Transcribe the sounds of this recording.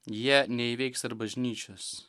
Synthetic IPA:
jiɛnʲɛiʋʲɛɪksɐɾbɐʒʲnʲiːt͡ʃʲos

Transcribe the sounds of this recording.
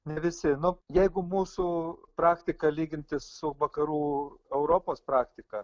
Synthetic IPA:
nʲɛʋʲɪsʲɪnʊjɛɪɡʊmuːsʊpɾɑːkt̪ʲɪkɐlʲiːɡʲɪnʲt̪ʲɪssʊʋɐkɐɾuːɛʊɾoːpoːspɾɑːkt̪ʲɪkɐ

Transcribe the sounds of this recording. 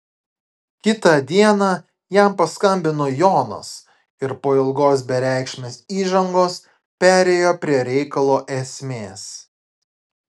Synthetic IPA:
kʲɪt̪ɐˑd̪ʲiɛnɑː | jæˑmpɐskɐmʲbʲɪnoːjoːno̰s | ɪɾpoːɪlˠɡoːsbʲɛɾʲæˑɪkʃʲmʲeːsiːʒɐŋɡoːs | pʲæːɾʲɛjoːpʲɾʲiɛɾʲɛɪkɐlˠoːʔɛsʲmʲeːs

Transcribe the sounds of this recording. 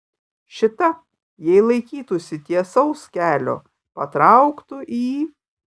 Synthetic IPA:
ʃʲɪt̪ɐ | jɛɪlˠɐɪkʲiːt̪usʲɪt̪ʲiɛsɐʊskʲæːlʲo̰ː | pɐt̪ɾɑʊkt̪ʊʔiː

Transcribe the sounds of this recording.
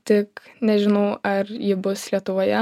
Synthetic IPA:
t̪ʲɪknʲɛʒʲɪnɐʊɐɾjɪbʊslʲiɛt̪ʊʋoːjɛ

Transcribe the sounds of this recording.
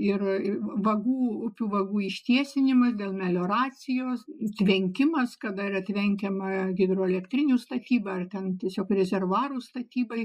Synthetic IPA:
ɪrʋɐɡuːʊpʲuːʋɐɡuːɪʃʲt̪ʲiɛsʲɪnʲɪmɐsd̪ʲeːlˠmʲɛlʲoːɾɑːt͡sʲɪjoːsɐt̪ʲʋʲɛŋʲkʲɪmɐskɐd̪ɐɪrɐt̪ʲʋʲɛŋʲkʲɛmɐɡʲɪd̪roːɛlʲɛkt̪ʲɾʲɪnʲuːst̪ɐt̪ʲiːbɐɐrt̪ʲɛnt̪ʲiɛsʲoːkrʲɛzʲɛrʋɑːɾuːst̪ɐt̪ʲiːbɐɪ

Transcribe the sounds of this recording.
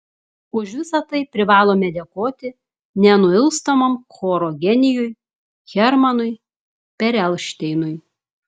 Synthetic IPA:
ʊʃʋʲɪsɐt̪ɐɪpʲɾʲɪʋɑːlˠoːmʲɛd̪ʲɛkoːt̪ʲɪ | nʲɛnʊɪlˠst̪ɐmɐmkoːɾoːɡʲɛnʲɪjʊj | xʲɛɾmɐnʊɪ | pʲɛɾʲɛlˠʃʲt̪ʲɛɪnʊɪj

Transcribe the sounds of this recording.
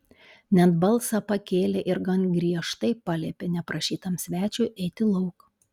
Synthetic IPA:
nʲɛt̪bɐlˠsɑpɐkʲeːlʲeːʔɪɾɡɐnɡɾʲiɛʃt̪ɐɪpɑlʲeːpʲenʲɛpɾɐʃʲiːt̪ɐmsʲʋʲæːt͡ʃʲʊʔɛɪt̪ʲɪlˠɐʊk

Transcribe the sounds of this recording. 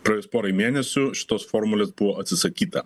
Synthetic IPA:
pɾɐjʊspoːɾɐimʲeːnʲɛsʲʊʃʲɪ̥t̪oːsfoːɾmʊlʲeːsbʊʋoːʔɐt̪ʲsʲɪsɐkʲiːt̪ɐ

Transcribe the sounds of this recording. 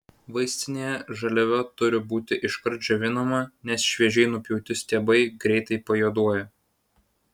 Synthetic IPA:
ʋɐɪsʲt̪ʲɪnʲejɛʒɐlʲɛʋʲɛt̪ʊɾʲɪbuːt̪ʲɪʔɪʃkɐɾʲˑd͡ʒʲoʋʲɪnɐmɐnʲɛsʃʲʋʲiɛʒʲɛɪnʊpʲjɛʊt̪ʲɪsʲt̪ʲeːbɐɪɡɾʲɛɪt̪ɐɪpɐjuɔd̪uɔjɛ

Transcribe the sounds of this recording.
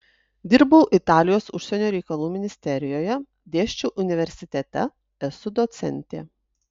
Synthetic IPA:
d̪ʲɪɾbɐʊʔɪt̪ɑːlʲɪjoːsʊʃʲsʲɛnʲoːɾʲɛɪkɐlˠuːmʲɪnʲɪsʲt̪ʲɛɾʲɪjoːjɛ | d̪ʲeːʃʲt͡ʃʲuːʔʊnʲɪʋʲɛɾʲsʲɪt̪ʲɛt̪ʲɛ̰ | ɛsʊd̪ɔt̪sʲɛ̰nʲt̪ʲḛː

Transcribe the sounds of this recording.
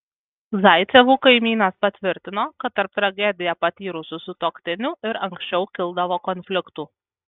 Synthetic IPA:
zɐɪt̪sʲɛʋuːkɐɪmʲiːnɐspɐt̪ʲʋʲɪɾʲt̪ʲɪnoːkɐt̪ːɐɾp̚t̪ɾɐɡʲɛd̪ʲɪjɛpɐt̪ʲiːɾʊsʊsʊt̪oːkt̪ʲɪnʲʊɪɾɐŋʲksʲt͡ʃʲɛʊkʲɪlˠˑd̪ɐʋoːkɔnʲfʲlʲɪkt̪uː

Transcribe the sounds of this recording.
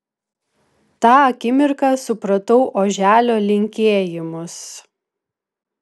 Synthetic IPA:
t̪ɑːɐkʲɪmʲɪɾkɑsʊpɾɐt̪ɔʊʔoːʒʲæːlʲoːlʲɪŋʲkʲeːjɪmʊs

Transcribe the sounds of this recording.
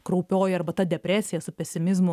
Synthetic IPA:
kɾɐʊpʲoːjɪɐrbɐt̪ɐd̪ʲɛpʲɾʲæːsʲɪjɛsʊpʲɛsʲɪmʲɪzmʊ

